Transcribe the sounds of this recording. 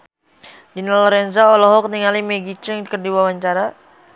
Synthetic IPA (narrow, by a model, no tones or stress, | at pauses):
dinalɔɾɛnzaɔlɔɦɔk̚niŋalimeɡit͡ʃəŋkərdiwawaɲt͡ʃaɾa